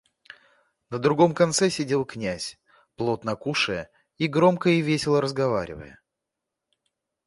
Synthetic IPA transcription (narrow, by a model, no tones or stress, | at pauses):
nəd̪ɾʊɡo̞mkɐnt̪sɛsʲɪdʲe̞lˠknʲæsʲ | plˠo̞t̪nɐkuʂɨjə | iɡɾo̞mkəɪvʲesʲɪlˠəɾəzɡɐvaɾʲɪ̰və̰jə̰